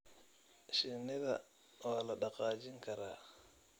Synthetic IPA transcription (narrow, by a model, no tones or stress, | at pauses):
ʃɪnɪðɐ̰ | waːlɐɗɑqɑːt͡ʃɪŋkʰɐɾaː